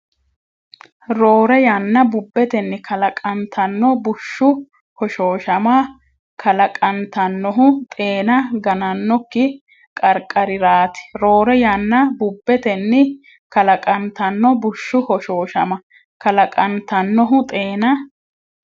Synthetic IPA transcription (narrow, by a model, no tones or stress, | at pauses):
ɾoːɾɛjɐnːɐbʊbːɛt̪ɛnːɪkʰɐlɐkʼɐnt̪ʰɐnːɔbʊʃːʊ | hɔʃo̞ːʃɐma | kʰɐlɐkʼɐnt̪ɐnːɔɦʊt̪ʼeːnɐɡɐnɐnːɔkːɪ | kʼɐɾkʼːɐɾɪɾaːt̪ɪ̥ɾo̞ːɾɛjɐnːɐbʊbːɛt̪ɛnːɪ | kɐlɐkʼɐnt̪ɐnːɔbʊʃːʊhɔʃo̞ːʃɐmɐ | kɐlɐkʼɐnt̪ɐnːɔɦʊt̪ʼe̞ːnɐ